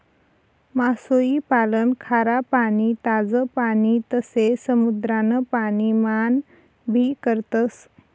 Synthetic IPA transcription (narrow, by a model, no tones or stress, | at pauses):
masoipalənkʰaɾapanit̪ad͡zəpanit̪əsesəmud̪ɾanəpaniman | bʱikəɾt̪əs